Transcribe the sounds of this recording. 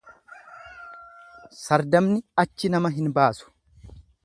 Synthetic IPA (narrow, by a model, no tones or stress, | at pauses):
sɐɾd̪ɐmnɪɐt͡ʃːɪnɐmɐɦɪnbaːsʊ̥